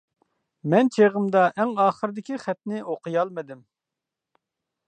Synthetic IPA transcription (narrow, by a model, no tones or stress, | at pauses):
mɛnt͡ʃʰeʁəmd̪ɑʔɛŋɑːχəɾd̪ɪkʲiχɛt̪nɪoqʰəjɑlˠmɨd̪ɪm